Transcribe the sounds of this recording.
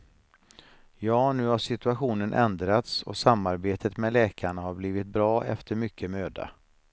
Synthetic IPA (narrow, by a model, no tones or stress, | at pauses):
jɑːnʉ̟ːhaʂɪt̪ɵaɧuːnənʔɛnd̪ɾat̪sɔ̰samːaɾbeːt̪ət̪mɛlɛːkʰaɳahaɾbliːvɪt̪̚bɾɑːʔɛ̰ft̪ʰəɾmʏkʰːəmøːd̪a̰